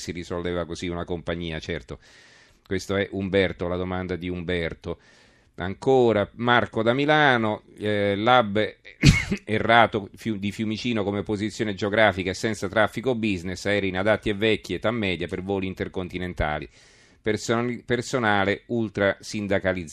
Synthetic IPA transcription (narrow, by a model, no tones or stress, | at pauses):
sirisolveːvakoziunakompaɲːiːat͡ʃɛrt̪o | kwest̪oɛʔumbɛrt̪olad̪omand̪ad̪iumbɛrt̪o | a̰ŋkoːɾamarkod̪amilaːnolabː | erːaːt̪ofud̪ifjumit͡ʃiːnokomepːozit̪sːjoːned͡ʒeoɡɾaːfikaesɛnt̪sat̪ɾafːikobːiznesɛːɾainad̪at̪ːievːɛkːiet̪ːamːɛːd̪japervoːliːnt̪erkont̪inent̪a̰ːlḭ | pspersonaːleult̪ɾasind̪akalid̪z